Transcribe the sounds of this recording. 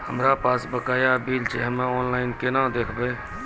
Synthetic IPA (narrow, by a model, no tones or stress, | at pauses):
həmɾapaːsbəkaːjabiːlt͡ʃeɦəmẽɔːnlaːɪnkenãd̪eːkʰbe